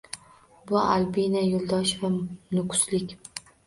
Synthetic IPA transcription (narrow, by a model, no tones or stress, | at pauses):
bʊa̰lbinajolˠd̪ɒʃvanʊkʰʊ̥slɪkʲ